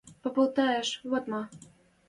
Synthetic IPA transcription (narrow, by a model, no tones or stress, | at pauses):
pɤ̆pɤ̆lˠt̪ɑjeʃβot̪mɑ